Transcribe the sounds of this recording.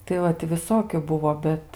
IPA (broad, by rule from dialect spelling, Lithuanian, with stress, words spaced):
tɐɪ ˈʋɐt tʲɪ ʋʲɪˈsoːkʲʊ ˈbʊʋoː ˈbʲɛt